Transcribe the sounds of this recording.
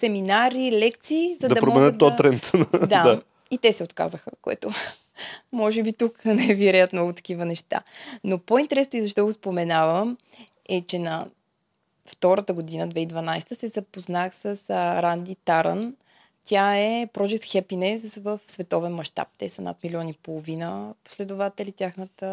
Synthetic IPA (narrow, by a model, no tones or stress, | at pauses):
sɛminaɾilɛkt̪siːzɐd̪ɐɐpɾommɛnət̪ːɔɾɛntt̪d̪aa | it̪ɛsɛot̪ka̰zəxəkoɛ̰t̪ʊ | mɔʒɛbit̪uknɛviɾɛjət̪mnɔɡʊt̪ɐ̥k̟ivənɛʃt̪a̰nopoint̪ɛɾɛsnʊizɐʃ̬t̪ɔɡospomɛnavəm | ɛt͡ʃɛnɐ | ft̪ɔɾət̪əɡod̪inəd̪vɛid̪vɐnajst̪əsɛzɐpoznaxsəsɾand̪it̪aɾə̰n | t̪ʲjaɛpɾɔd͡ʒɛk̚t̪xɛpinɛsvəfsvɛt̪ɔvɛnmɐʃt̪a̰p̚t̪ɛsəna̰t̪milʲiɔnipolˠovinəpo̥slɛd̪ʊvat̪ɛlit̪ʲjaxnət̪ə